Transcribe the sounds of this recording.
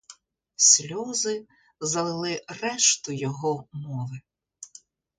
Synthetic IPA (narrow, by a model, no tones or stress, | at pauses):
sʲlʲɔzɪ | zɐlɪlˠɪrɛʃt̪ʊjɔɦɔmɔʋɪ